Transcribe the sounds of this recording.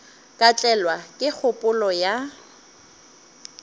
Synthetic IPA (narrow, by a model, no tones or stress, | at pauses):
kʼat͡ɬʼɛlwakʼɪk͡xʰʊpʼʊlɔja